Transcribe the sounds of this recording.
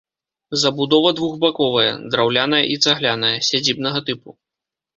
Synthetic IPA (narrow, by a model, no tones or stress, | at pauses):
zɐbud̪ɔvɐd̪vuɣbakɔvɐjɐ̰d̪ɾawlʲanɐjɐ̰ʔit̪saɣlʲanɐjɐsʲad͡zʲib̚nɐɣɐt̪ɨpu